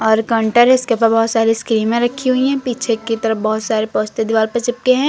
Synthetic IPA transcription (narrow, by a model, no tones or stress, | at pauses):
ɔːɾkɐ̃ɳʈəɾɦɛɪskep̬əɾbɔɦʊt̪saːɾiskɾiːnmẽɾɐkʰːiɦʊiɦɛ̃piːt͡ʃʰekit̪ɐɾəfbɔɦʊt̪saːɾepɔːst̪ed̪iʋaːlpɐɾt͡ʃɪp̚keɦɛ̃ː